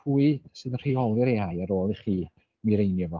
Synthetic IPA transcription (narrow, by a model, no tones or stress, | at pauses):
uɨsɨðənr̥iɔlˠiɾeajaɾoːlˠiχiː | miɾejnjəvɔ